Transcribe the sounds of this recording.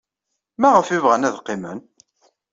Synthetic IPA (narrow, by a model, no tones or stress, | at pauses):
mæʁəfivʁænæðqːɪmə̰n